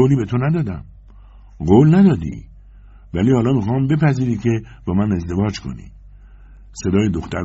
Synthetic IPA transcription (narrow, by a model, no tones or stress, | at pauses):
oːliːbe̞t̪ʰonæd̪ɒːd̪æ̰m | ɢoːlnæd̪ɒːd̪ḭ | væliːhɒːlɒːmixɒːmbe̞pʰæziːɾiːkʰe̞b̥ɒːmæne̞zd̪e̞vɒːd͡ʒkʰo̞̰nḭː | se̞d̪ɒːjed̪oxt̪æɾ